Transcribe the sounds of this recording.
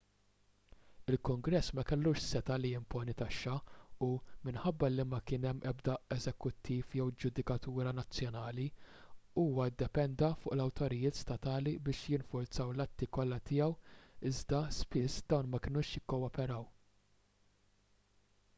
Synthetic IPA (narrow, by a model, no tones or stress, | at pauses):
ɪlkʊŋɡɾɛsːmɐkɛlːuːʃsɛt̪ɐlijɪmpɔːnit̪ɐʃːɐumɪnħɐbːɐlimɐkɪːnɛmːʔɛbd̪ɐɛzɛkʊt̪ʰːiːfjɛwd͡ʒʊd̪ɪkɐt̪uːɾɐnɐt͡sːjɔnɐːli | uːwɐd̪ːɛpɛnd̪ɐfʊːʔlɐwt̪ɔɾɪjɪːt̪st̪ɐt̪ɐːlibɪːʃjɪnfʊɾt͡sɐwlɐt̪ːikɔlːɐt̪ɪːjɐwɪzd̪ɐspɪsːd̪ɐwnmɐkɪnʊːʃjɪkːɔwɔpɛɾɐw